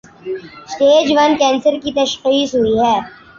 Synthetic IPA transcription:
sʈeːd͡ʒʋɐnkɛ̃ːnsəɾkit̪ɐʃxiːsɦʊiɦɛː

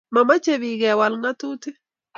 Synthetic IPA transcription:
mamat͡ʃeβiɡɛwalŋatutɪ

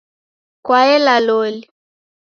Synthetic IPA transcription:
kwaɛlalɔli

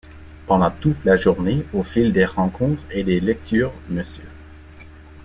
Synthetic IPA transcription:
pɑ̃d̪ɑ̃t̪ut̪laʒuʁneofild̪eʁɑ̃kʰɔ̃t̪χed̪elɛk̚t̪ʰyːʁməsjø

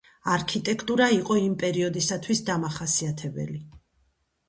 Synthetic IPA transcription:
aɾkʰit̪ʼɛkʰt̪ʼuɾaiqʼɔimpʼɛɾiɔd̪isat̪ʰwisd̪amaχasiat̪ʰɛbɛ̰li

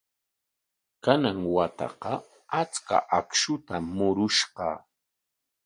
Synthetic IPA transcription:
kanaŋwat̪ɑ̰qɑ | at͡ska̰ʔakʃʊt̪aːʊɾʊʃɢɑ̰

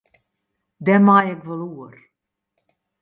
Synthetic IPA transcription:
dɛmajɛkʋɔluər

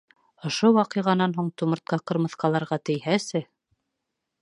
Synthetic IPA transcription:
ŏʃowɑqɤ̆ʁɑnɑnɦuɴt̪umɤ̆ɾt̪̚qɑqɤ̆ɾmɤ̆θqɑlˠɑɾʁɑt̪ɘ̆jhæsɘ

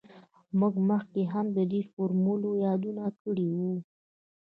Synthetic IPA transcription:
muɡməxkeɦamd̪əd̪efoɾmulojɑd̪unakəɽiwu

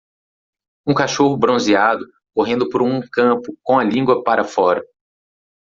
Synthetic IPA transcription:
ũkaʃoɦʊbɾõziad̪ʊ | koɦẽnd̪ʊpoɾũkɐ̃pʊkõɐlĩɡwɐpaɾɐfɔɾɐ

